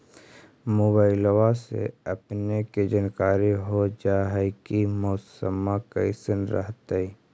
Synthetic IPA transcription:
moːbaːɪlwasḛɐpneked͡ʒənkaːɾiɦod͡ʒaːɦɛkimɔːsəmaka̰isənɾə̰ɦt̪ai

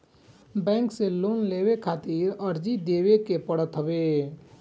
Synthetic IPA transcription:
bɛ̃ːŋkseloːnleːwekʰaːt̪iɾəɾd͡ʒid̪eːwekepəɽət̪ɦəbe

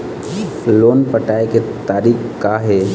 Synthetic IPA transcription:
loːnpəʈaːeket̪aːɾiːkkaɦɛː

